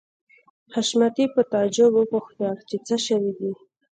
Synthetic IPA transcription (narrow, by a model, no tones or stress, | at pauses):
haʃmat̪ipət̪ɑd͡ʒʊbʊpoxnɑkt͡ʃet͡səʃawid̪i